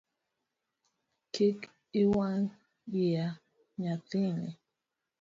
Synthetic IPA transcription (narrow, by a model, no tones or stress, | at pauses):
kik | ɪwan | bia | ɲatɪŋḛ